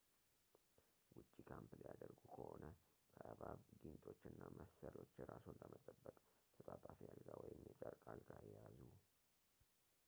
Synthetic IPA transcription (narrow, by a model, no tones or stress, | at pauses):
wʊt͡ʃʼːikʰamplijad̪əɾɡukʰəho̞nə | kʰəʔaβaβɡɨɲt̪ʼo̞t͡ʃːɨnːamʔəsəlo̞t͡ʃːɾasonləmət̪ʼəbːəkʼt̪ʰət̪ʼat̪ʼafijalɡawɔjɪmjət͡ʃʼaɾkʼalɡajɛjazu